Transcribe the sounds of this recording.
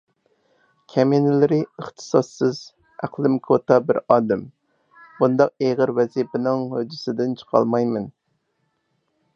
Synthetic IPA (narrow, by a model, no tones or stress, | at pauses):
kʲʰɛminɪlɪɾɪəχt̪ʰɨ̥sɑsːɨz | æqlˠɪmkʰot̪ɑbɪɾɑːd̪ɛm | bund̪ɑq̚eʁəɾwɛzipɪnɪŋhød͡ʒɪsɪd̪ɪnt͡ʃʰə̥qʰɑ̰lˠmɑjmɪn